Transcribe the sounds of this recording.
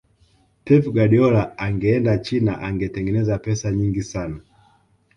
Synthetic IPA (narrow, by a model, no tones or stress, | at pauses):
tɛvɡaɗiɔlaaŋɡɛɛndat͡ʃinaʔaŋɡɛtɛŋɡɛnɛzapɛsaɲiŋɡisana